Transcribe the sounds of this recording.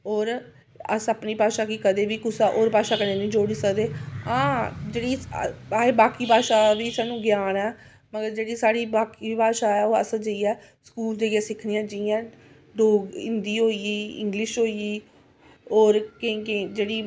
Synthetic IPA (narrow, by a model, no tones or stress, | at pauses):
ɔːɾ | əsaːpniːpaːʃaːkikəd̪eːʋiːkʊsaʔoːɾpaːʃaːkəneːnĩːd͡ʒoːɽiːsəkd̪eːãːd͡ʒeːɽiːaːeːbaːkiːpaːʃaːʋiːsaːnũːɡjaːnɛː | məɡəɾd͡ʒeːɽiːsaːɽiːbaːkiːpaːʃaːɛːoːə̰sd͡ʒəiːɛː | skuːld̪eːɡãːsɪkʰniːãːd͡ʒɪãː | ɖoːɡɪ̰nd̪iːɦoːiiːɪ̰̃ŋɡlɪʃɦoːiiː | ɔːɾkɪked͡ʒeːɽiː